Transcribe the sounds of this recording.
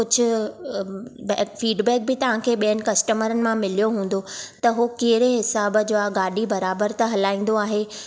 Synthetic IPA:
kʊd͡ʑʱʊ̆ | bɛːfiːɖbɛːk̚bɪt̪ɐʋ̤ãkʰeːɓijənɪ̆kɐsʈəməɾənɪ̆mãmɪlijoɦũːn̆d̪ot̪ɐɦokeɦɪɾeɦɪsaːb̆d͡ʑoːaɡaːɗibɐɾaːbəɾt̪ɐɦɐlaːĩːn̆d̪oaːɦeː

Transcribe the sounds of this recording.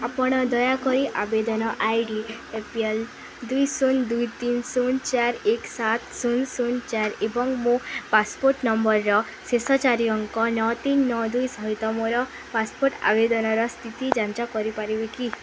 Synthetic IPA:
apɔɽ̃ɔd̪ɔjakɔɾiʔabed̪ɔnɔʔajɖiepiel | d̪ujsund̪ujt̪insunt͡ʃaɾeksat̪sunsunt͡ʃaɾebɔŋmupaspoɾʈnɔmbɔɾːɔ | sesɔt͡ʃaɾiɔŋkɔnɔt̪inːɔd̪ujsɔɦit̪ɔmoɾɔ | paspoɾʈa̰bed̪ɔnɔɾɔst̪ʰit̪id͡ʒant͡ʃakɔɾipaɾibeki

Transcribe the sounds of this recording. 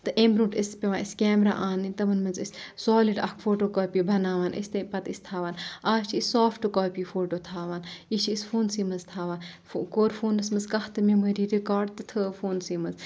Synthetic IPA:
t̪ɨʔembɾuːʈispʲeʋãːiskʲeːmɾa̰ːʔaːnit̪ɐʋɐnmɐnzissoːliɖɐkʰfoːʈoːkoːpibʱɐnaːʋaːnʔḭst̪ɐpɐt̪ist̪ʰaːʋaːnaːt͡ʃʰiissaːfʈokoːpifoːʈoːt̪ʰaːʋaːnit͡ʃʰiisfoːnsiːmɐnzt̪ʰaːʋaːnfkoːɾfuːnɐsmɐnzkɐht̪ɨmimɐɾiːɾikaːɖt̪ɨt̪ʰɨfoːnsiːmɐz

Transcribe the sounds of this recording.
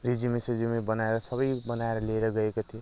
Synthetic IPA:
rid͡zimesid͡ʒimibʌnaeɾʌsʌbʌjbʌnaeɾʌleeɾʌɡʌekot̪ʰijo

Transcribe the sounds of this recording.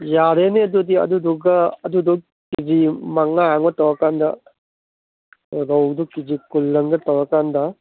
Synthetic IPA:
jaɾeneɐdudiɐ̰duduɡɐːduduk | kid͡ʒimaŋaaŋbɐtawakandɐ̰ | ɾawdukid͡ʒikulːɐŋɡɐtɐwɾakandɐ

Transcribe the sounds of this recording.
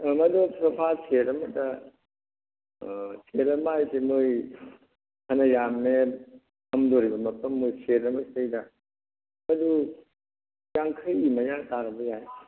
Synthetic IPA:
mɐdupʰɾɐpʰasʰeɾɐmɐtɐ | sʰeɾɐmajtemoj | hɐnɐjamːe | hɐmdoɾibɐmɐpʰɐmːojseɾɐmɐstejdɐ | mɐdu | jaŋkʰɐjimɐjaŋtaɾɐbɐjaj

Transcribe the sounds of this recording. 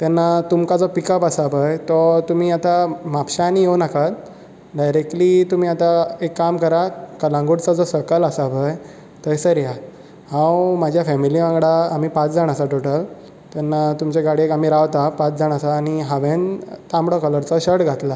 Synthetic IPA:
t̪ɛnːat̪umkad͡zɔpikəpəsabəjt̪ɔt̪um̤iːat̪amapɕanijewnakat̪ | ɖajɾek̚ʈlit̪um̤iːat̪aekːamkəɾakəlãŋɡuɽt͡sad͡zɔsəkələsaʋəj | t̪əjsəɾja | hãwmad͡ʑʱjafɛmiliʋãŋɡɽaːmipat͡sd͡zʱaɽ̃asaʈoʈəl | t̪ɛnːat̪umt͡ɕeɡaɽiekam̤iːɾaʋt̪apat͡sd͡zaɽ̃asaːñiɦaʋent̪ãmbɽɔkələɾt͡sɔɕəɽɡʱat̪la

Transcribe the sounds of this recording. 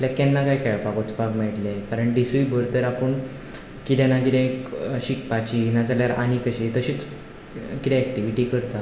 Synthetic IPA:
aljakɛnːakajkʰɛɭpakot͡spaɡmɛʈlekaɾəɳɖisuibʱəɾt̪əɾapəɳ | kit̪ɛnakit̪ẽkɕik̚pat͡ɕiinad͡zaljaɾa̰ñikəɕit̪əɕiːt͡s | kiɾiɛk̚ʈiʋiʈikəɾt̪a

